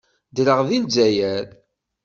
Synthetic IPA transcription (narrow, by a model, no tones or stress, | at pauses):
d̪ɾəʁðilzæjæɾ